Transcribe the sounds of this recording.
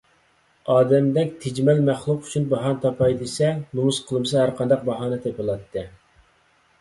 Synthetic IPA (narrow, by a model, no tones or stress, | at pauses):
ɑːd̪ɛmd̪ɛkʲt̪ʰed͡ʒmɛlmæχlˠuqy̥t͡ʃʰynbɑɦɑnt̪ʰɑpʰɑjd̪esɛnumusqʰəlˠɨmɨsɨhæɾqʰɑnd̪ɑq̚bɑɦɑːnɨt̪ʰepɨlˠɑt̪ʰːɨ